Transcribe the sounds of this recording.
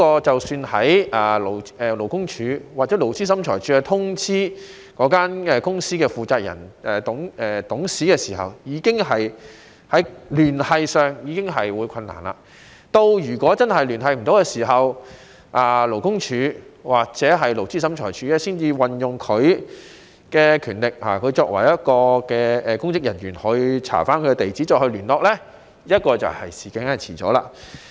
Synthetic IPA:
kɔː˧t͡sɐ˨wsyː˧nhɐ̰˨˥jʔaː˨lo˨˩wɛː˨˧lo˨˩wkʊ˥ŋt͡ʃʰyː˨˧˥waː˨k̚t͡sɛ˨˥lo˨˩wt͡siː˥sɐ˨˥mt͡ʃʰɔ̰ː˨˩jt͡ʃʰyː˨˥ɛ˧t̪ʰʊ˥ŋt͡sʰiː˥ | kɔː˨˥kaː˥nɛː˨˧kʊ˥ŋsiː˥kɛː˧fuː˨t͡saː˧k̚jɐ̰˨˩nɛː˨t̪ʊ˨˥ŋɛː˨t̪ʊ˨˥ŋsiː˨˥kɛː˧siː˨˩hɐ̰˨wjiː˨˧kɪ˥ŋɦɐ˨j | hɐ˨˥lyː˨˩nhɐ˨jsœː˨˧ŋjiː˨˧kɪ˥ŋɦɐ˨jwuː˨˧jkʰɐ˧nːa̰ː˨˩nla̰ː˧ | t̪o˧wjyː˨˩kʷɔː˨˥t͡sɐ˥nhɐ˨jlyː˨˩nhɐ˨˧jm̩˨˩t̪o˨˥wɛː˧siː˨˩ɦɐ˨w | ʔaː˨lo˨˩wkʊ˥ŋt͡ʃʰyː˨˧waː˨k̚t͡sɛː˨˥ɦɐ˨jlo˨˩wt͡siː˥sɐ˨˥mt͡ʃʰɔ̰ː˨˩jt͡ʃʰyː˨˥ɛː˥siː˥nt͡siː˧wɐ˨njʊ˨ŋkʰɵ˨˧ɥ | kɛː˧kʰyː˨˩nlɪ˨k̚ha̰ː˨˩kʰɵ˨˧ɥt͡sɔː˧k̚wɐ̰˨˩jjɐ˥t̚kɔː˧kɛː˧ɛː˧kʊ˥ŋkɪ˥k̚jɐ˨˩njyː˨˩nhɔ˨˧ɥt͡sʰa̰ː˨˩faː˥nkʰɵ˨˧ɛ˧t̪e˨jt͡siː˨˥t͡sɔː˧hɵ˧lyː˨˩nlɔː˧k̚lɛ˥ | jɐ˥t̚kɔː˧t͡sɐ̰˨whɐ̰˨jsiː˨˩kɪ˨˥ŋhɐ˨jt͡sʰiː˨˩t͡sɔ̰ː˨˥la̰ː˧

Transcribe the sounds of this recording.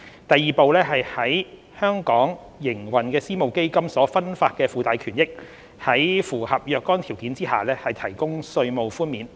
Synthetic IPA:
t̪ɐ˨jːiː˨˩po˧wlɛː˥ɦɐ˨jhɐ˨˥j | hœː˥ŋkɔː˨˥ŋ | jɪ˨˩ŋwɐ˨˩nkɛː˧siː˥mo˨wke˥jkɐ˥msɔː˨˥fɐ˥nfaː˧t̚kɛː˧fuː˨˧t̪aː˨˧jkʰyː˨˩njɪ˥k̚ | hɐ˨˥jfuː˨˩hɐ˨p̚jœː˨˧kːɔː˥nt̪ʰiː˨˩wkiː˨˥nt͡siː˥ha̰ː˨lɛː˥hɐ˨jt̪ʰɐ˨˩jkʊ˥ŋsɵ˧ɥmo˨wfuː˥nmiː˨˥n

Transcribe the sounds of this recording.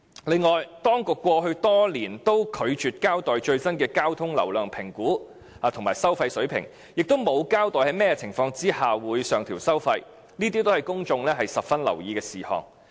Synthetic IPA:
lɪ˨˧ŋːɔː˨jt̪ɔː˥ŋkʊ˨kːʷɔː˧ɦɵ˧ɥt̪ɔː˥liː˨˩nt̪o˥wkʰɵ˨˧ɥt͡ʃyː˨t̚kaː˥wt̪ɔː˨jt͡ʃɵ˧ɥsɐ˥nkɛː˧kaː˥wt̪ʰʊ˥ŋlɐ̰˨˩wlœː˨˩ŋpʰɪ˨˩ŋkuː˨˥ | haː˨t̪ʰʊ˨˩ŋmaː˨˩jsɐ˥wfɐ˧jsɵ˨˥ɥpʰɪ̰˨˩ŋ | jɪ˨k̚t̪o˥wmo˨˧wkaː˥wt̪ɔː˨jhɐ˨˥jmɛː˥jɛ˧t͡sʰɪ˨˩ŋfɔː˧ŋt͡siː˥haː˨wuː˨˧jsœː˨ŋt̪ʰiː˨˩wsɐ˥wfɐ˧j | niː˥t̪i˥t̪o˥whɐ˨jkʊ˥ŋt͡ʃʊ˧ŋlɛː˥ɦɐ˨jsɐ˨p̚fɐ˥nlɐ̰˨˩wjiː˨˧kɛː˧siː˨˩hɔ̰ː˨˩ŋ

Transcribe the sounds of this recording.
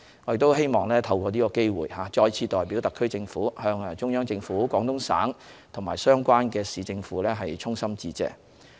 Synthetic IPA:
ŋɔ˨˧jɪ˨k̚t̪o˥whe˥jmɔː˨ŋlɛː˥t̪ʰɐ˧wkʷɔː˧niː˥kɔː˧ke˥jwṵː˨˩jhaː˨˦t͡ʃɔː˧jt͡sʰiː˧t̪ɔː˨˩jpiː˨˥wt̪ɐ˨kʰːɵ˥ɥt͡sɪ˧ŋfuː˨˥hœː˧ŋ˧t͡ʃʊ˥ŋjœː˥ŋt͡sɪ˧ŋfuː˨˥kʷwɔː˨˥ŋt̪ʊ˥ŋsa̰ː˨˥ŋt̪ʰʊ˨˩ŋmaː˨jsœː˥ŋkʷaː˥nkɛː˧siː˨˧t͡sɪ˧ŋfuː˨˥lɛː˥ɦɐ˨jt͡sʰʊ˥ŋsɐ˥mt͡siː˧t͡sɛ̰ː˧˥

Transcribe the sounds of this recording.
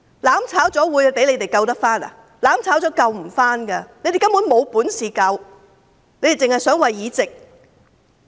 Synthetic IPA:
laː˨˥mt͡sʰaː˨˥wt͡sɔː˨˥wuː˨˧jpe˨˥jle˨˧jt̪e˨˩jkɐ˧wt̪ɐ˥k̚faː˥na̰˨ | laː˨˥mt͡sʰaː˨˥wt͡sɔː˨˥kɐ˧wm̩˨˩faː˥nkɐ˧ne˨˧jt̪e˨˩kɐ˥mpu˨˥nmo˨˧wpuː˨˥nsiː˨kɐ˧w | le˨˧jt̪e˨jt͡sɪ˨ŋhɐ˨jsœː˨˥ŋwɐ˨jːiː˨˧t͡sɪ˨k̚

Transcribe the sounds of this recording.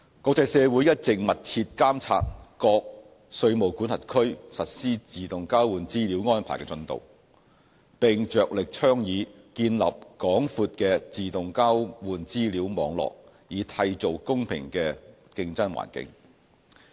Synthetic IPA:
kɔː˧k̚t͡sɐ˧jsɛː˨˧wu˨˥jɐ˥t̚t͡sɪ˨k̚mɐ˨t̚t͡sʰiː˧t̚kaː˥mt͡sʰa̰ː˧t̚kɔː˧k̚ | sɵ˧ɥmo˨˩wkuː˨˥nhɐ˨˩t̚kʰɵ˥ɥsɐ˨t̚siː˥t͡siː˨t̪ʊ˨ŋkaː˥wwuː˨nt͡siː˥li˨˧˥wŋɔː˥npʰaː˨˩jkɛ˧t͡sɵ˧nt̪o̰˨˩w | pɪ˨ŋt͡ʃœː˨k̚lɪ˨k̚t͡ʃʰœː˥ŋjiː˨˧ | kiː˧nlɐ̰˨p̚kɔː˨˥ŋfuː˧t̚kɛː˧t͡siː˨t̪ʊ˨ŋkaː˥wwuː˨˩nt͡siː˥liː˨˥wmɔ̰ː˨˥ŋlɔ̰ː˨k̚ | jiː˨˧t̪ʰɐ˧jt͡so˨wkʊ˥ŋpʰɪ̰˨˩ŋkɛː˧ | kɪ˧ŋt͡sɐ˥nwa̰ː˨˩nkɪ̰˧˥ŋ

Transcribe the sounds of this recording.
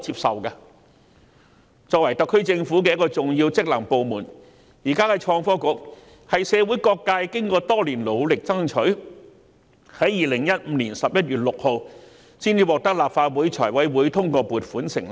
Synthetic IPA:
t͡siː˧p̚sɐ̰˨wka˧ | t͡sɔː˧k̚wɐ˨˩jt̪ɐ˨kʰːɵ˥t͡sɪ˧ŋfuː˨˥k̬ɛː˧jɐ˥kːɔː˧t͡sʊ˨ŋjiː˧wt͡sɪ˥k̚lɐ˨˩ŋpo˨wmuː˨˩n | jiː˨˩kaː˥kɛ˧t͡ʃʰɔː˧ŋfɔː˥kʊ˧˥k̚ | hɐ˨jsɛː˨˧wuː˨˥jkɔː˧kːaː˧jkɪ˥ŋkɔː˧t̪ɔː˥liː˨˩nlo˨˧wlɪ˨k̚t͡sɐ˥ŋt͡ʃʰɵ˨˥ɥ | hɐ˨˥jjiː˨lɪ˨˩ŋjɐ˥t̚m̩˨˧˥liː˨˩nsɐ˨p̚jɐ˥t̚jyː˨t̚lʊ˨k̚ho˨˧w | siː˥nji˧wɔː˨˧k̚t̪ɐ˥k̚laː˨p̚faː˧t̚wuː˨˥jt͡ʃʰɔː˨˩jwɐ˨˥jwuː˨˥jt̪ʰʊ˥ŋkɔː˧puː˨t̚fuː˨˥nsɪ̰˨˩ŋ

